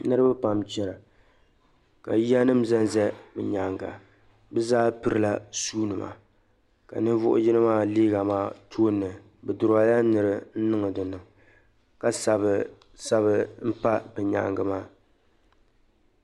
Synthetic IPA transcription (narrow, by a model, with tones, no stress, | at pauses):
nɨ˦ɾɨ˦bɨ˦pa˨mt͡ʃɛ˦ɾa˨ | ka̰˨ji˦a˦nɨ˦m˦zɛ˦nzɛ˦bɛ˨ɲa˨ŋɡa̰˨ | bɛ˦zaː˦pɨ˦ɾɨ˦la˦suː˦nɨ˨ma̰˨ | ka̰˨nɨ˦vʊ˦ʔʊ̰˦jɪ˦nɨ˦maː˦liː˦ɡa˨maː˦˨tʰoː˦nːɨ˨ | bɨ˨dʊ˨ɾa˨ja˦nɨ˨ɾɨ˦n̩˦nɨ˦ŋɨ˨dɨ˨nɨ˨ŋ | ka˨sa˨b | sa˦βɨ˦m̩˦pa˦bɨ˨ɲa̰˨ŋɡɨ˨maː˦